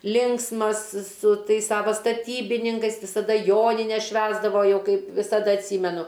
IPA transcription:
ˈlʲɪŋksmɐs sʊ ˈtɐɪs ˈsɑːʋoː stɐˈtʲiːbʲɪnʲɪŋkɐɪs ʋʲɪsɐˈdɐ ˈjoːnʲɪnʲɛs ˈʃʲʋʲæːzdɐʋoː ˈjɛʊ ˈkɐɪp ʋʲɪsɐˈdɐ ɐtʲˈsʲiːmʲɛnʊ

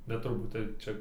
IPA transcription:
bʲɛt tʊrˈbuːt ˈtɐɪp ˈt͡ʃʲɛ

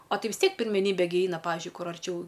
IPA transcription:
ɐ ˈtɐɪ ʋʲɪs ˈtʲiɛk pʲɪrʲmʲɛˈnʲiːbʲɛ ɡʲɪ ˈɛɪnɐ ˈpɑːʋʲɪʒʲʊɪ ˈkʊr ɐrʲˈt͡ʃʲɛʊ

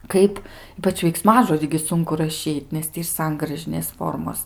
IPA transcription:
ˈkɐɪp ˈiːpɐt͡ʃ ʋʲɛɪkˈsmɑːʒoːdʲiː ɡʲɪ ˈsʊŋkʊ rɐˈʃʲiːtʲ nʲɛs ˈtʲiː ɪr ˈsɐŋɡrɐʒʲɪnʲeːs ˈfoːrmoːs

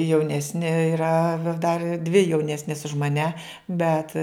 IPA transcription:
jɛʊˈnʲæːsʲnʲɪ iːˈrɐ dɐr dʲʋʲɪ jɛʊˈnʲæːsʲnʲeːs ʊʃ mɐˈnʲæ ˈbʲɛt

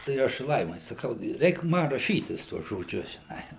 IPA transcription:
tɐɪ ˈɐʃ ˈlˠɐɪmɐɪ sɐˈkɐʊ ˈrʲɛɪk ˈmɐ rɐˈʃʲiːtʲɪs ˈtuɔs ʒoːˈd͡ʒʲʊs ʒʲɪˈnɐɪ

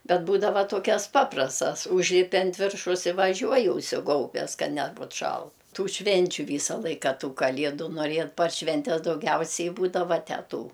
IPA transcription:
ˈbʲɛt ˈbuːdɐʋɐ ˈtoːkʲɛs ˈpɑːprɐstɐs ˈʊʒʲlʲɪpʲɪ ɐnt ˈʋʲɪrʃɐʊs ɪ ʋɐˈʒʲuɔjɪ ʊʃʲsʲɪˈɡɐʊbʲɛs kɐ ˈnʲæːbʊt ˈʃɐlˠt ˈtuː ˈʃʲʋʲɛnʲt͡ʃʲʊ ˈʋʲiːsɐ ˈlˠɐɪkɐ ˈtuː kɐˈlʲiɛdʊ noːrʲiɛ pɐr ˈʃʲʋʲɛnʲtʲɛs dɐʊˈɡʲɛʊsʲɛɪ ˈbuːdɐʋɐ ˈtʲæːˈtuː

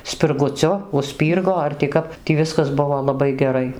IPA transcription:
sʲpʲɪrɡʊˈt͡sʲʊ ʊʃʲˈsʲpʲiːrɡoː ɐr tʲɪ ˈkɐp tʲiː ˈʋʲɪskɐs ˈbʊʋoː lˠɐˈbɐɪ ɡʲɛˈrɐɪ

